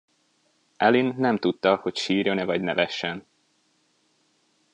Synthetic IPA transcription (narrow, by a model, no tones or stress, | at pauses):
ʔɛlinːɛmt̪ut̪ːɒho̞cʃiːɾonɛvɒɟnɛvɛʃːɛn